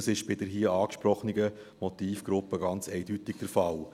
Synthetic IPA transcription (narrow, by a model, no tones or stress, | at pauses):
sɪʃb̥ɪdəɾɦiːəɑːkʃpɾɔχəniɡə | motiːfɡ̥ɾʊpːəɡɑnt͡sɛɪdytɪɡ̥d̥əɾfɑl